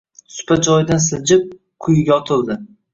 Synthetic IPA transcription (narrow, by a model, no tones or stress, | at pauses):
sʊ̥pʰad͡ʒɒjɪd̪ansɪd͡ʒɪp̚ | qʰʊjɪɡʲaɒt̪ʰɪlˠd̪ɪ